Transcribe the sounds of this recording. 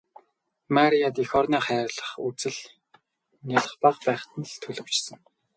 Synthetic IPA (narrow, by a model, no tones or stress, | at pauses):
maɾijat̪ixɔrniːχæːrɮə̆χut͡sɘ̆ɮ | njaɮə̆χpaχpæːχt̪ə̆n̆ɮt̪ʰɵɮɵ̆w̥t͡ɕsə̆ŋ